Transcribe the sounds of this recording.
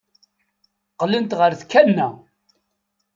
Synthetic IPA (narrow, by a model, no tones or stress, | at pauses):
qlənt̪ʁəɾθkːænːæ